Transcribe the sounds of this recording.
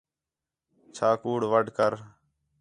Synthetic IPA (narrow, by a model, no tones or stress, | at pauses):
t͡ʃʰaːkuːɽʋəɖʱkəɾ